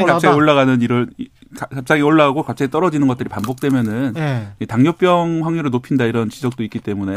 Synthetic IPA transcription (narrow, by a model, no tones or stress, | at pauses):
kat͡ɕ͈aoɭːaɣanɯniɾʌɭikakap̚t͡ɕ͈aŋioɭːaɡaɡokap̚t͡ɕ͈aet͈ʌɾʌd͡ʑinɯnɡʌt͈ɯɾipanbok̚t͈we̞mjʌnɯnitaŋɲʌp͈jʌŋɸwaŋɲuɾɯɭnopʰindaiɾʌnt͡ɕid͡ʑʌk̚t͈oik͈it͈e̞mune̞